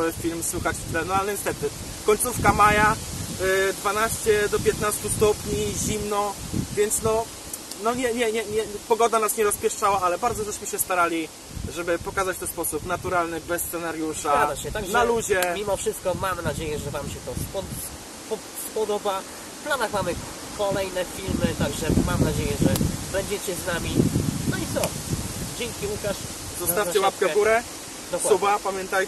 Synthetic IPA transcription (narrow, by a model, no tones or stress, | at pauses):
fʲilmswuxat͡ɕt̪lɛnɔalɛɲɛst̪ɛt̪ɘ | kɔɲʲt̪sufkamaja | d̪vanaɕt͡ɕɛd̪ɔpʲjɛt̪nast̪ust̪ɔpɲiʑimnɔvʲjɛnt̪snɔ | nɔɲɛɲɛɲɛɲɛpɔɡɔd̪anasɲɛɾɔspʲjɛʂt͡ʂawaalɛbaɾd̪zɔt̪ɛʂɕmɘɕɛst̪aɾalʲi | ʐɛbɘpɔkazat͡ɕt̪ɛnspɔsupnat̪uɾalnɘbɛsːt̪sɛnaɾjuʂaad̪aɕɛt̪aɡʐnaɛlud͡ʑɛmʲimɔfʂɘst̪̚kɔmamnad͡ʑejɛʐɛvamɕɛt̪ɔspɔ | pɔ | spɔd̪ɔba | fplanaxmamɘ | kʰɔlɛjnɛfʲilmɘt̪aɡʐɛmamnad͡ʑejɛʐɛbɛɲd͡ʑɛt͡ɕɛznamʲinɔit̪sɔd͡ʑɛŋkʲiukaʂ | zɔsaft͡ɕɛwapkɛvɡuɾɛ | d̪ɔswubapamʲjɛnt̪aj